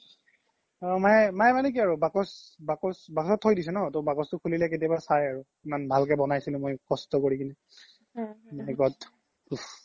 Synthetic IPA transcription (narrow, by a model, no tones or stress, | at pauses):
ɔmaɛmajɛmanɛk̬iaɹubakɔsbakɔsbakɔsɔtʰːojdisɛnɔtɔbakɔstʊkʰulilɛk̬etiabasajaɹu | imanbʱalk̬ɛbɔnajsilʊ̃mojkɔstɔkoɹikini | ɛɡɔt | u